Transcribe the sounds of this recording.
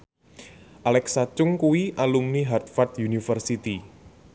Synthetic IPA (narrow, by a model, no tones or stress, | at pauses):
ʔalɛksat͡ʃʊŋkuwiʔalumniɦart̪̚fart̪junifərsit̪i